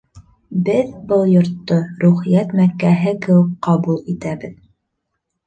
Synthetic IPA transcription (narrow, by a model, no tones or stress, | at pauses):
bɘðbɤlˠjŏɾt̪ːoɾuχijæt̪mækːæɦɘkɘ̆wɘkqːɑbulˠit̪æbɘð